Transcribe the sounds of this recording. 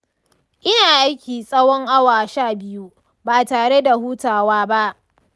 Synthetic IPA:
ʔɪ˦naː˨ʔa˦jkʲiː˨sʼɐ˦wɔ˦ŋʔa˦waː˨ʃaː˦˨bɪ˦ju˦ | baː˨taː˨ɽe˦da˨huː˦taː˨waː˦ba˦ʔ

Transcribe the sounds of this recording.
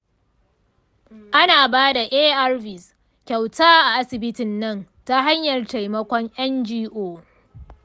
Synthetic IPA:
ʔa˦naː˨baː˦da˨ʔeː˦ʔa˦rvɪ˨s | kʲa˨wtaː˦ʔa˨ʔa˦sɪ˨bɪ˦tɪ˨nːɐ˦n | ta˦ɦa˦ɲjɐ˨rta˨jmɐ˦kʷɔ˦ŋʔɛ˦nd͡ʒiː˦ʔoː˦˨

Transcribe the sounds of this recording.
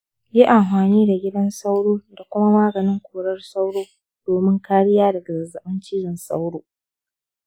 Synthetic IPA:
ji˦ʔa˨mɸaː˨niː˦da˨ɡʲɪ˦dɐ˦nsa˦wɽoː˦da˨kʷʊ˦ma˦maː˦ɡɐ˨nɪ˦ŋkʷoː˨ɽɐ˦rsa˦wɽoː˦ | d̥oː˨mɪ˦ŋkaː˦ɽɪ˦jaː˦dɐ˨ɡa˨zɐ˨zɐ˨ɓɐ˦nt͡ʃiː˦ɾɪ˨nsa̰˦wɽoː˦

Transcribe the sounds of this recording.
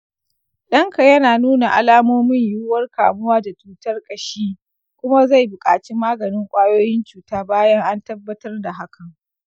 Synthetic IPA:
ɗɐ˦ŋka˨jɐ˦naː˨nuː˦na˨ʔa˦laː˦moː˦mɪ˦ɲju˦wɐ˦rka̰ː˨mʊ˦waː˦da˨t͡ʃuː˨tɐ˦rkʼɐ˨ʃiː˦ | kʷʊ˦ma˦za˦˨jbʊ˨kʼa̰ː˨t͡ʃi˦maː˦ɡɐ˨nɪ˦ŋkʷʼaː˦joː˦jɪ˦nt͡ʃuː˨taː˦baː˦jɐ˦ŋʔa˦ntɐ˦bːɐ˦tɐ˦rda˨ɦa˦kʰɐ˨ŋ

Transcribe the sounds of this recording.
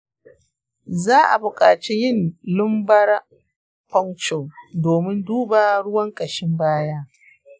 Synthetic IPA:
zaː˦ʔa̰˨bʊ˨kʼaː˨t͡ʃi˦jɪ˦˨nlʊ˦mbɐ˦ɽa˦ | pɐ˦ŋt͡ʃo˨doː˨mɪ˦nduː˦baː˨ɽʊ˦wɐ˦ŋkʼɐ˨ʃɪ˦mbaː˦jaː˦

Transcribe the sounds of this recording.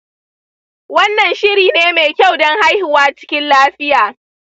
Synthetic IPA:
wɐ˦nːɐ˨nʃɪ˦ɾiː˨neː˦meː˨kʲa˦˨wdɔ˦ŋha˦jhɪ˨waː˦t͡ʃɪ̥˦kʲɪ˦nlaː˦ɸɪ˦jaː˨

